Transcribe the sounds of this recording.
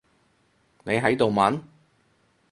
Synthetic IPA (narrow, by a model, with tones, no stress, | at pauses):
ne˨˧jɦɐ˨˥jt̪o˨wmɐ˨˥n